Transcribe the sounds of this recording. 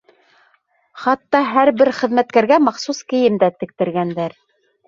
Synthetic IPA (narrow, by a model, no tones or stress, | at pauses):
χɑt̪ːɑɦæɾbɘɾχɘ̆ðmæt̪kæɾɡæmɑχsuskɘ̆jɘmd̪æt̪ɘ̆k̚t̪ɘ̆ɾɡænd̪æɾ